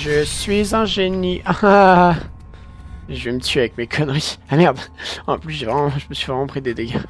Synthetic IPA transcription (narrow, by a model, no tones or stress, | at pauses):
ʒəsɥizɛ̃ʒeniʔaã | ʒəvemət̪ʰɥavɛkmekʰɔnʁiamɛʁd̪ɑ̰̃plysʒevʁɛmɑ̃ʒəməsɥivʁɛmɑ̃pχid̪ed̪eɡʲa